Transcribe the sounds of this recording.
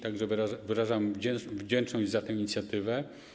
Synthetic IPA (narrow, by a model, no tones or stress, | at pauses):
t̪aɡʐɛvɾavɘɾaʐamvd͡ʑɛvd͡ʑɛnt͡ʂnɔʑd͡ʑzat̪ɛ̃w̃iɲit̪sʲjat̪ɘvɛ